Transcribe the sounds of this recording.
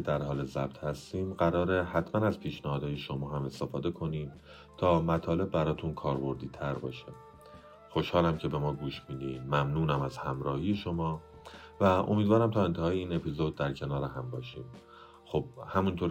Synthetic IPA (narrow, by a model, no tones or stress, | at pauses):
ed̪æɾɦɒːle̞zæb̚t̪ʰhæst̪iːmɢæɾɒːɾehæt̪ʰmænæzpʰiːʃnæhɒːd̪ɒːje̞ʃo̞mɒːɦæme̞st̪e̞fɒːd̪e̞kʰo̞niːm | t̪ʰɒːmæt̪ʰɒːle̞bːæɾɒːt̪ʰunkʰɒːɾbo̞ɾd̪iːt̪ʰæɾbɒ̰ːʃe | xo̞ʃhɒːlæmcʰe̞be̞mɒːɡuːʃmiːd̪iːmæmnuːnæmæz̥hæmɾɒːhije̞ʃo̞mɒː | væʔo̞̰mid̪vɒːɾæmt̪ʰɒːe̞nt̪ʰeɒːjeiːne̞pʰizo̞d̪̚ːæɾcʰe̞nɒːɾeɦæmbɒːʃiːm | xob̥hæmunt̪ʰoːɾ